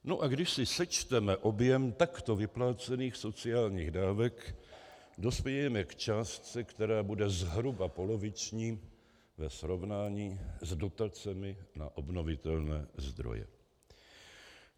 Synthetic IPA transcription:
noʔaɡdɪʃsɪsɛt͡ʃt̪ɛmɛʔo̞bjɛmt̪akt̪o̞vɪplaːt͡sɛniːxso̞t͡sɪaːlɲiːɣdaːvɛk | do̞spjɛjɛmɛkt͡ʃaːst͡sɛkt̪ɛɾaːbudɛzɦɾubapo̞lo̞vɪt͡ʃɲiː | vɛsɾo̞vnaːɲiːzdo̞t̪at͡sɛmɪna̰ʔo̞bno̞vɪt̪ɛlnɛ̰ːzd̪ɾo̰jɛ̰

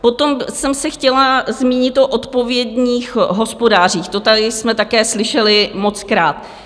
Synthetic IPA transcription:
po̞t̪o̞msɛmsɛxcɛlazmiːɲɪt̪ʔoʔot̪po̞vjɛdɲiːxɦo̞spo̞daːr̝iːxt̪ot̪adɪsmɛt̪akɛːslɪʃɛlɪmo̞t͡skɾaːt̪

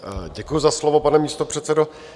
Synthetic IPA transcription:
ɟɛkujuzaslovo̞panɛmiːst̪opr̝̥ɛt̪t͡sɛdo

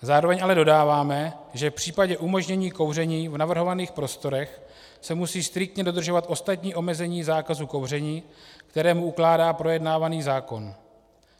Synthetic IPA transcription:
zaːɾo̞vɛɲʔalɛdo̞daːvaːmɛʒɛfpr̝̥iːpaɟɛʔumo̞ʒɲɛɲiːko̞wr̝ɛɲiːvnavr̩ɦo̞vaniːxpɾo̞st̪o̞ɾɛx | sɛmusiːst̪ɾɪk̚t̪ɲɛdo̞d̪r̩ʒovat̪ʔo̞st̪at̪ɲiːʔo̞mɛzɛɲiːzaːkazuko̞wr̝ɛɲiːkt̪ɛɾɛːmuʔuklaːdaːpɾo̞jɛdnaːvaniːzaːko̞n

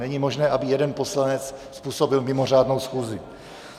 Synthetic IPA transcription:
nɛɲimo̞ʒnɛːʔabɪjɛdɛnpo̞slanɛt͡sspuːso̞bɪlmɪmo̞r̝aːdno̞wsxuːzɪ

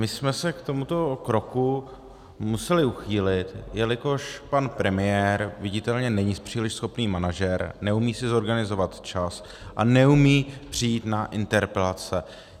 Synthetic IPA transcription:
mɪsmɛsɛkt̪o̞mut̪o̞kɾo̞ku | musɛlɪuxiːlɪt̪jɛlɪko̞ʃpanpɾɛmɪjɛːɾvɪɟɪt̪ɛlɲɛnɛɲɪspr̝̥iːlɪʃsxo̞pniːmanaʒɛɾnɛumiːsɪzo̞ɾɡanɪzo̞vat̪t͡ʃas | ʔa̰nɛumiːpr̝̥ijiːt̪naʔɪnt̪ɛɾpɛlat͡sɛ

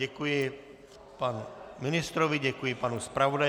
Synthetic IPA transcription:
ɛkujɛ | panminist̪ɾɔʋiɟɛkujɛpanuspɾaʋɔd̪a

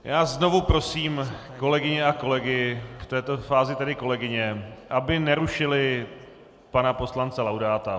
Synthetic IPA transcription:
jaːzno̞vupɾo̞siːm | ko̞lɛɡɪɲɛʔako̞lɛɡɪft̪ɛːt̪o̞faːzɪt̪ɛdɪko̞lɛɡɪɲɛʔabɪnɛɾuʃɪlɪ | panapo̞slant͡sɛlawdaːt̪a

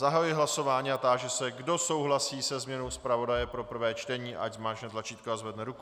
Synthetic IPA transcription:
zaɦajujɪɦlaso̞vaːɲiat̪aːʒɛsɛɡdo̞so̞wɦlasiːsɛzmɲɛno̞wspɾavo̞dajɛpɾo̞pr̩vɛːt͡ʃt̪ɛɲiːʔaczmaːʃnɛt̪lat͡ʃiːt̪̚koazvɛdnɛɾuku

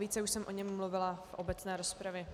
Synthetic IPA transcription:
iːt͡sɛuʃsɛmʔo̞ɲɛmːluvɪlafʔo̞bɛt͡snɛːɾo̞spɾavjɛ

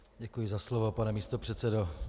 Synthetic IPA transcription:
ɟɛkujɪzaslovopanɛmiːst̪opr̥ɛt̪t͡sɛdo

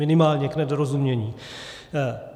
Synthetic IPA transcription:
ɪnɪmaːlɲɛknɛdoɾozumɲɛɲiː

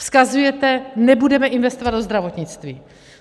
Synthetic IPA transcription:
fskazujɛt̪ɛnɛbudɛmɛʔɪnvɛst̪ovad̪dozd̪ɾavo̞t̪ɲɪt͡st̪viː

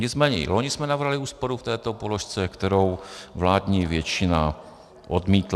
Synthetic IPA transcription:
ɲɪt͡smɛːɲɛ̰ɪ̰loɲɪsmɛnavrɦalɪuːspo̞ɾuft̪ɛːt̪o̞poloʃt͡sɛkt̪ɛɾo̞wvlaːd̪ɲiːvjɛt͡ʃɪna | ʔodmiːt̪l

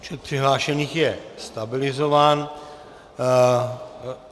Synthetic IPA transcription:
t͡ʃɛt̪̚pr̝̥ɪɦlaːʃɛniːxjɛst̪abɪlɪzovaːn

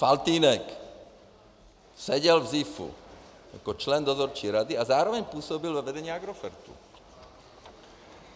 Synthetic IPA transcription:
falt̪iːnɛk | sɛɟɛlvzifṵ | akɔt͡ʃlɛnd̪ɔzɔɾt͡ʃiːɾad̪iazaːɾɔʋɛɲpuːsɔbilvɔʋɛd̪ɛɲiːaɡɾɔfɛɾt̪ṵ

